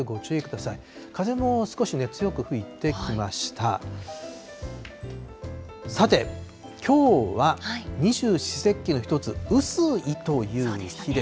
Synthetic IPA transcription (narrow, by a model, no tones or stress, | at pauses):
eɡo̞t͡ɕɨːekɯ̟d̪asai | kʰaze̞mo̞sɨ̥ko̞ɕine̞t͡sɨjo̞kɯ̟ɸɯ̟it̪e̞kʲimaɕi̥t̪a̰ | sat̪e̞ | kʲʰo̞ːβaiɲ̟iʑɨːɕi̥se̞kʲːino̞çi̥t̪o̞t͡sɨɯsɨit̪o̞jɯ̟ːçid̪e